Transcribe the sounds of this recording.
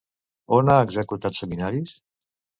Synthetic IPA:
onaeɡzekut̪at̪səminaɾis

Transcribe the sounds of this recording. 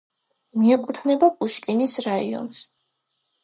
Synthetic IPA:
miɛkʼut̪ʰnɛbakʼuʃkʼinisɾaḭɔ̰ns

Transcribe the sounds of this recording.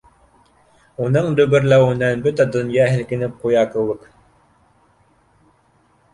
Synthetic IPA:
unɤɴd̪ɵɡɘ̆ɾlæwɘnænbɵt̪æd̪ɵ̆njɑɦɘ̆lkɘ̆nɘp̚qujɑkɤ̆lˠːɤq

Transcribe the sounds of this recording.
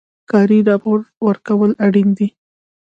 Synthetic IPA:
kɑɾiɾɑpʊɾwəɾkawəlaɽind̪i

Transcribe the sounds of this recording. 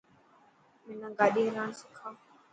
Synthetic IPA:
mɪnãːɡaːɗiːɦɾaːnsɪkʰaː

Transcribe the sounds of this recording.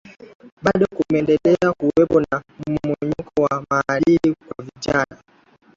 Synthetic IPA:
ɓaɗɔkumɛndɛlɛakuɛpɔnam̩mumɔɲukʰɔwamalikwaviʄana

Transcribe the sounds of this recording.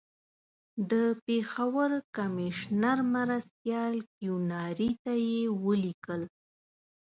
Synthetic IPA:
d̪əpexawəɾkamɪʃnaɾmaɾast̪jɑlkjunɑɾit̪ajewəlikəl

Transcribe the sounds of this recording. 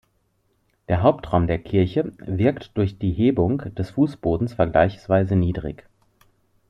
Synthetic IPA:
d̥eːɐɦaʊptʁ̥aʊmdeːɐkʰɪɐçəvɪɐktd̥ʊɐçd̥iːɦeːbʊŋd̥ɛsfuːsb̥oːdn̩sfɛɐɡla̰ɪçsv̥aɪzəniːdʁɪ̰ç

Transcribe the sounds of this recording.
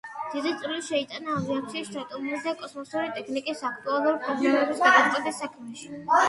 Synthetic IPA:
d̪̥id̪it̪sʼiliʃɛit̪ʼanaːviat̪sʰiaʃt͡ʃ̪ʰʼat̪ʼɔmɾizɛkʼɔsmɔsuɾit̪ʼɛkʰnikʼisakʰt̪ʼualˠuɾipʰɔɾmulɛbisɡad̪ʼamt̪sʼɛb̪ɛsakʰmɛʃi̥

